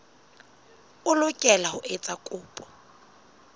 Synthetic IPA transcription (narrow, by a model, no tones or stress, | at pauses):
ʊlʊkʼɛlahʊʔet͡sʼakʼʊːpʼɔ̥